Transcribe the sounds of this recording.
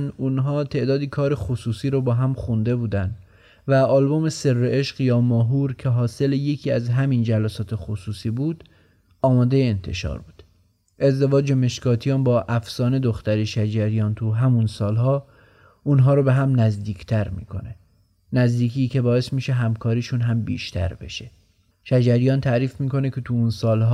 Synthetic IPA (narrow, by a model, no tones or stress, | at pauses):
nunɦɒːt̪ʰe̞ʔd̪ɒːd̪iːkʰɒːɾexosuːsiːɾɔbɒːɦæmxund̪e̞buːd̪ænd̪ | væɒːlbome̞se̞rːeʔeʃɢjɒːmɒːɦuːɾcʲʰe̞ɦɒːse̞leje̞cʰiːæzɦæmind͡ʒælæsɒːt̪ʰe̞xosuːsiːbuːd̪̥ | ɒːmɒːd̪ejeent̪ʰe̞̰ʃɒ̰ːɾbuːd̪̥ | ʔe̞zd̪e̞vɒːd͡ʒeme̞ʃkɒːt̪ʰijɒːnbɒːʔæfsɒːne̞d̪oxt̪æɾeʃæd͡ʒæɾijɒːnt̪ʰuɦæmunsɒːlɦɒː | unɦɒːɾobe̞ɦæmnæzd̪iːkʰt̪ʰæɾmḭːkʰo̞̰ne̞ | næzd̪iːkʰiːce̞bɒːe̞smiːʃeɦæmkʰɒːɾiːʃunɦæmbḭːʃt̪ʰæ̰ɾbe̞̰ʃe | ʃæd͡ʒæɾijɒːnt̪ʰæʔɾiːfmiːko̞ne̞cʰe̞t̪ʰuunsɒːlɦɒː